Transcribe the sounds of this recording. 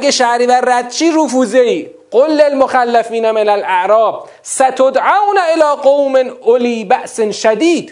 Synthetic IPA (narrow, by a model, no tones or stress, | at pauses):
ɡeʃæhɾiːværæd̪̚t͡ʃʰiːɾufuːzeiː | ɢ̥olːelmoxælːæfiːnæmenælʔæʔɾɒːb̥̚ | sæt̪ʰod̪ʕawnæʔelɒːqowmenʔoliːbæʔsnʃæd̪iːd̪̥